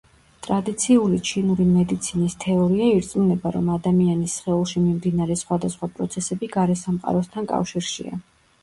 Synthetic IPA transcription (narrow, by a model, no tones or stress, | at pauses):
t̪ʼɾad̪it̪sʰiulit͡ʃʰinuɾimɛd̪it̪sʰinist̪ʰɛɔɾiaiɾt̪sʼmunɛbaɾɔmad̪amianisχɛulˠʃimimd̪inaɾɛsχwad̪asχwapʼɾɔt̪sʰɛsɛbiɡaɾɛsamqʼa̰ɾɔst̪ʰankʼa̰fʃiɾʃḭa̰